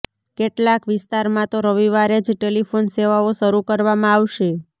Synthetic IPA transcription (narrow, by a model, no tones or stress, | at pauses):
keʈlakʋɪst̪aɾmãt̪oɾəʋiʋaɾed͡ʒʈelifʰonseʋaoʃəɾukəɾʋamãaʋʃe